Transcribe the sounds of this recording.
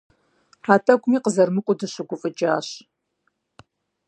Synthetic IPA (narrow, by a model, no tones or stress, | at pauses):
ħaːtʰɐkʷʊmiːqəzɐrmɨqʷʼʊdɨɕɨɡʷʊfʼɨt͡ʃʼaːɕ